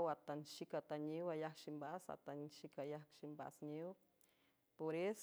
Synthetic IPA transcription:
wat̪anʃikat̪aɲiwajakʃimbasa̰t̪anʃikajakʃimba̰sɲiw | poɾes

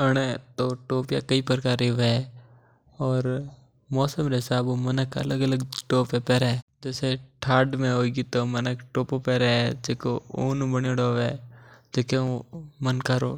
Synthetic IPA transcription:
əɽ̃et̪oːʈoːpja̰kəipəɾkaːɾeɛ | ɔːɾ | mɔːsəmɾeɪsaːbomənəkʰə̰ləɡələɡʈoːpepɛːɾeɛd͡ʒɛːseʈʰaːɖmẽɦoːiɡit̪omənəkʈoːpopɛːɾeɛd͡ʒeːkoo̰ːnũbəneɽoːʋɛːd͡ʒeːkeomənkaɾo̰ː

